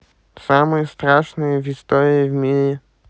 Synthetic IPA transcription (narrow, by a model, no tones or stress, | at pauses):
samɨjəst̪ɾaʂnɨjəvʲɪst̪oɾʲɪɪvʲmʲiɾʲɪ